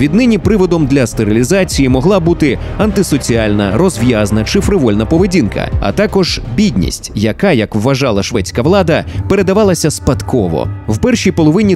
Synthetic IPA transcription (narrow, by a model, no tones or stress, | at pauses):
ʋʲid̪nɪnʲipɾɪʋɔd̪ɔmd̪lʲɐst̪eɾilʲizat͡sʲijimɔɦlˠɑbut̪ɪ | ɐnt̪ɪsɔt͡sʲialʲnɐ̰ɾɔzʋjaznɐt͡ʃɪfɾɪʋɔlʲnɐpɔʋedʲinkɐ̰ɐ̰t̪ɑkɔʒ̥bʲidʲnʲḭsʲtʲjɐkajɐkwːɐʒɑlˠɐʃʋɛt͡sʲkɐʋlˠɑd̪ɐpeɾe̞d̪ɐʋɑlˠɐsʲɐspɐt̪kɔʋɔ̰wpɛrʃʲijpɔlˠɔʋɪnʲi